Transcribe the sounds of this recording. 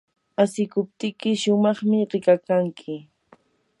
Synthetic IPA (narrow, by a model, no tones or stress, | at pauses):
asɪkʊp̚t̪ɪkɪʃʊmɑχmɪɾɪkakaŋkʰɪ